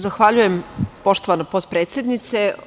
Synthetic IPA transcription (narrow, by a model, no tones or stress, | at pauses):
zaxʋaʎuje̞mpo̞ʃt̪o̞ʋanopot̪pɾeːt̪sʲe̞d̪nit̪se̞